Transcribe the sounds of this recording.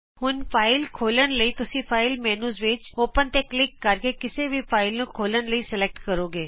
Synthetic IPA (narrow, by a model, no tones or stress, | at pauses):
hʊnfʰaːɪlkʰoːlənləit̪ʊsifʰaːɪlmɛːnuːzʋɪt͡ʃoːpənt̪eklɪkːɐɾkekɪsebʱifʰaːɪlnũkʰoːlənləisɪlek̚ʈkəɾoːɡeː